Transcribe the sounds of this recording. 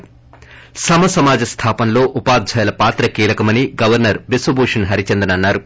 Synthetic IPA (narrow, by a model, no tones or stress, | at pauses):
sɐmɐsɐmaːd͡ʒɐst̪ʰaːpɐnlo̞ːʔupaːd̪̚d͡ʒʱɐjɐlɐpaːt̪ɾɐkiːlɐkɐmɐniɡɐʋɐɾnɐɾʋisʋɐbuːʂɐnɦɐɾit͡ʃend̪ɐnɐnːaːɾu